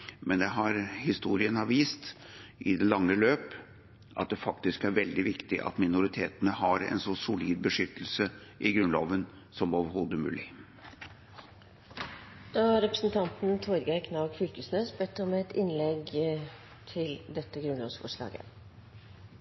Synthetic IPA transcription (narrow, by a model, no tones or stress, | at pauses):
mɛnd̪ɛɦɑɾhɪst̪uːɾɪənɑʋiːst̪ | ʔɪd̪ɛlɑŋːəløːp | ʔɑ̰t̪̚d̪ɛfɑkt̪ɪskæɾʋɛld̪ɪʋɪkt̪ɪʔɑ̰t̪mɪnʊɾɪt̪ʰeːt̪ənəhɑɾɛ̰nsɔsʊliːd̪̚bəʂʏt̪ːəl̩səʔɪɡɾʉnlo̰ːʋən | sɔmoːʋəɾhoːd̪əmʉ̰ːlɪ | d̪̥ɑːæɾɛpɾəsn̩t̪ʰɑnt̪n̩t̪ʰɔɾɡækʰnɑɡfʏlkəsnøːsbɛt̪ːəmɛɛt̪ɪnlɛɡ | t̪ʰɪld̪ɛt̪ːəɡɾʉnlɑ̰ːʋsfɔʂlɑ̰ːɡə̰